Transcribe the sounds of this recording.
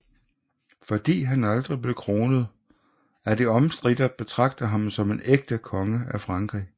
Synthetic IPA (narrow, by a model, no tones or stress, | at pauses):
fɒ̽d̥ḭːɦænɑld̥ʁib̥le̝kʰʁo̝ːnəð̞ˠ | æd̥iɒ̽msd̥ʁid̥ɐb̥e̝t͡sʰʁɑ̈ɡ̥̚d̥ɐɦɑ̈msɒ̽me̝neɡ̥̚d̥əkʰɒ̽ŋəæfʁɑ̈ŋɡ̥ʁḭː